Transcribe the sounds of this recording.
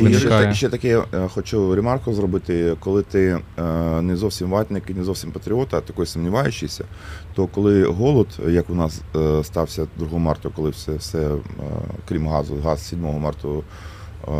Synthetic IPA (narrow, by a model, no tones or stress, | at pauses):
iɛʃt͡ʃɛt̪ɐkɛxɔt͡ʃuɾʲemɑrkɔzrɔbɪt̪ɪkɔlˠɪt̪ɪ | nɛzɔwsʲimʋɑt̪nɪkɪnɛzɔwsʲimpɐt̪ɾʲiɔt̪ɐt̪ɐkɔjsʊmnʲiʋɑjʊt͡ʃɪsʲɐ̰ | t̪ɔkɔlˠɪɦɔlˠɔd̪jɐkʊnɑsst̪ɑwsʲɐd̪ɾʊɦɔɔmɑrt̪ɔkɔlˠɪsɛwsɛ | kɾʲimɦɑzʊ̰ɦɑssʲidʲmɔɦɔmɑrt̪ɔ